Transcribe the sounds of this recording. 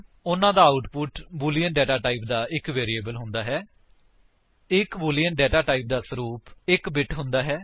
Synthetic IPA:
ʊnãːd̪aːaʊʈpʊʈbuːlijəɳʈɖɛːʈaːʈaːiːp̚d̪aːʔɪkʋeːɾieːbəlɦʊ̃nd̪aːɦɛː | ɪkbuːlijəɳʈ̚ɖɛːʈaːʈaːiːp̚d̪aːsəɾuːpɪkbɪʈɦʊ̃nd̪aːɦɛː

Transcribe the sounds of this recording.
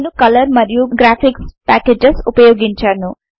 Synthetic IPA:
nukʌlʌɾmʌɾjuɡɾapʰikspæked͡ʒesupʌjoɡint͡ʃʰʌnu

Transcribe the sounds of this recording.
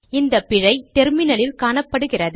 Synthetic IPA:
ɪnd̪ɐpːɪɻɐɪt̪ɛɾmɪnɐlɪlkaːɳɐpːɐɽɯɣɪrɐðɯ

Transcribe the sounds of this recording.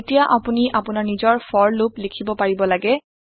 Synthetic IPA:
tijaʔapuniʔapʊnaɹnizɔɹfʰɔɹluplikʰibɔpaɹibɔlaɡɛ

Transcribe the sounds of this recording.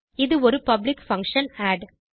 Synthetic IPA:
ɪðɯɔɾɯpɐblɪkfɐ̃ŋkʂɐnaːɖ

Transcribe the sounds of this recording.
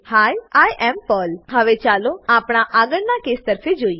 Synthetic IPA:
haːjaːjʔɛmpɔlɦɐʋet͡ʃaːloaːpɽ̃aʔaːɡəɽnakeːst̪əɾfed͡ʒoːi

